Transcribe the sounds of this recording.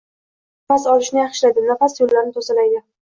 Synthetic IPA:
fasɒlɪʃnɪjɑχʃlad̪ɪnafasjolːaɾnɪt̪ʰosalajd̪ʲɪ

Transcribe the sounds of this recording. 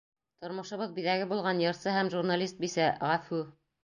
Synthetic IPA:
t̪ŏɾmŏʃŏβɤðbiðæɡɘbulˠʁɑnjɤ̆ɾsɤhæmʒurnalʲist̪̚bisæʁæfʉ

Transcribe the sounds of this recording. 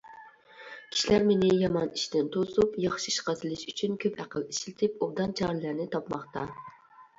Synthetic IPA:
kʲʰi̥ʃilæɾmenɪjɑmɑniʃt̪ɪnt̪ʰosupjɑχʃiiʃqɑt̪ʰɨlˠɪʃyt͡ʃʰynkʲʰøphæqəliʃɪlɪt̪ʰɪpobd̪ɑnt͡ʃʰɑɾɨlæɾnɪt̪ʰɑpmɑχt̪ɑ

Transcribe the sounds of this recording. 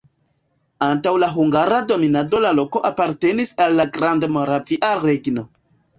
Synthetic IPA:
antawlaɦuŋɡaɾado̞minado̞lalo̞ko̞ʔapaɾte̞nisalːaɡɾandmoɾafiʔaɾeɡno̞

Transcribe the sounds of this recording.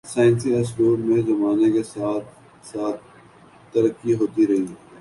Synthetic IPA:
saːɪnsiɛsʈoːɾmẽzɐmaːnekesaːt̪̚ | saːt̪̚ʰ | t̪ɐɾəkːiɦoːt̪iɾɐɦi

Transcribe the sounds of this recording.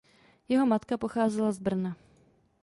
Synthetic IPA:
jɛɦo̞mat̪kapo̞xaːzɛlazbr̩na

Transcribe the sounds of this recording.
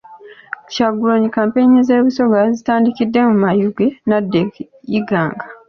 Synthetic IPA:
caɡuloɲikaːmpeɲize̞ːβuso̞ɡazitaːndikidːe̞mumajuɡe̞nadːe | jiɡaːŋɡḁ

